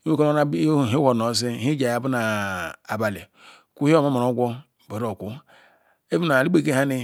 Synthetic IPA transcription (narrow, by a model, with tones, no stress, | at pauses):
o˦ko˦no˦n˦˨˦ɦi˦ho˨no˨˦s̬i˦ɦi˦d͡ʒa˨ja˨bu˦na˨a˨ba˨li˨ | ku˦hi˦o˦ma˦ma˨ɾo˨˦ɡʷo˦˨ | bo˨ɾo˨kʷu˦ | e˦vu˦na˨li˦k͡pe˦˨ke˦ha˦ni˦